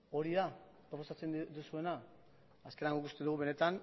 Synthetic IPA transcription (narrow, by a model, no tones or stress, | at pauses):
o̞ɾiða | pɾo̞po̞sat͡se̞nd̪usue̞naː | skenaŋɡoikust̪e̞ðuɣuβe̞ne̞t̪an